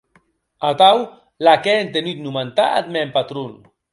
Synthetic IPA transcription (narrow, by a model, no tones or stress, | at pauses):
at̪aw | lakɛent̪enyt̪numant̪aa̰t̪̚mɛmpat̪ɾun